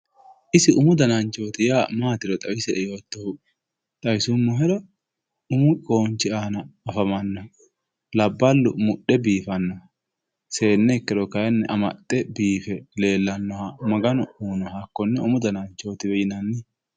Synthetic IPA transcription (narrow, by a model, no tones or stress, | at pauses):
ʔɪsɪʔʊmʊd̪ɐnɐnt͡ʃo̞ːt̪ɪjaːmaːt̪ɪɾɔt̪ʼɐwɪsɛɛjo̞ːt̪ːɐhʊ | t̪ʼɐjɪsʊmːɔɦɛɾɔ | ʊmʊʔʼoːnt͡ʃːɪaːnɐːfɐmɐnːɐ | lɐbːɐlːʊ̰mʊɗːɛbiːfɐnːɐ | se̞ːnːɛkːɛdɔkɐjɛnːɛʔɐmɐ̰t̪ʼːɛbiːfɛle̞ːlːɐnːɔhɐmɐɡɐnɔuːnɔhakːɔnːɛʊmʊd̪ɐnɐnt͡ʃːo̞ːt̪ɪbɛjɪnɐnːɪ